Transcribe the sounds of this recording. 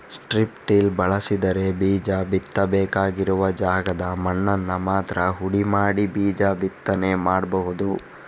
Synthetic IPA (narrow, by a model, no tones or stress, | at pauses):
sʈɾipʈilbɐɭɐsid̪ɐɾe̞biːd͡ʒaːbit̪ːɐbɛːkaːɡiɾuʋɐd͡ʒaːɡɐd̪ɐmɐɳːɐnːɐmaːt̪ɾɐɦuɽimaːɽibiːd͡ʒaːbit̪ːɐne̞maːɽbɐɦud̪u